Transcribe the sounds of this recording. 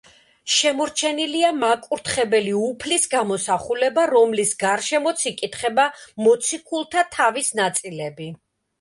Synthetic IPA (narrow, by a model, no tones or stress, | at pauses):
ʃɛmɔɾt͡ʃʰɛniliamakʼuɾt̪ʰχɛbɛliupʰlisɡamɔsaχulɛbaɾɔmlisɡaɾʃɛmɔt̪sʰikʼit̪χɛbamɔt̪sʰikʰulˠt̪ʰat̪ʰavisnat̪sʼilɛbi